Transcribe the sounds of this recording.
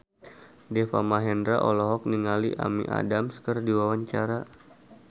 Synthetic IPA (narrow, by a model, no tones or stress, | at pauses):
dɛfa̰maɦɛndɾaʔɔlɔɦɔk̚niŋaliʔa̰mḭʔa̰damskərdiwawaɲt͡ʃaɾa